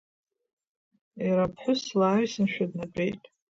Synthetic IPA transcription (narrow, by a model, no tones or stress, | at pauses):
iɾapʰħʷʊslaːɥsɨnʃᶣadnapʼejtʼ